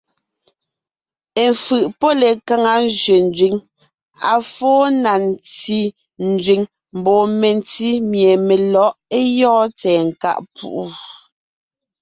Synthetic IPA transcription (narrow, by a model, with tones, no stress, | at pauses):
e˨ɱfɯ˨ʔpɔ˦le˨ka˦ŋa˨˦n˦zɥe˨n˨d͡ʒɥi˨˦ŋ | a̰˨fɔː˦na˨n˨t͡si˦ | n̩˨d͡zɥi˨ŋ | m̩˨bɔː˨me˨n˦ti˦mje˨me˨lɔ˨˦ʔe˦jɔ̃ː˦t͡sɛː˨ŋ̩˨ka̰˦˨ʔpʰṵ˦ʔu˦˨